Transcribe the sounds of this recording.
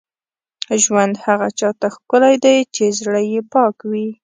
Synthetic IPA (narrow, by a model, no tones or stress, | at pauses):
ʒwand̪haɣat͡ʃɑt̪axkʊlajd̪ajt͡ʃezɽəjepɑkwi